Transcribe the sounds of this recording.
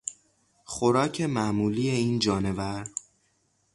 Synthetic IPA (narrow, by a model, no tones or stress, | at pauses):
xoɾɒːcʰe̞mæmuːlijeiːnd͡ʒɒːne̞væɾ